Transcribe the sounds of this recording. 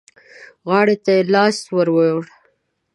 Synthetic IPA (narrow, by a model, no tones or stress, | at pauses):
ɣɑɽet̪ajelɑst̪wəɾwəɽ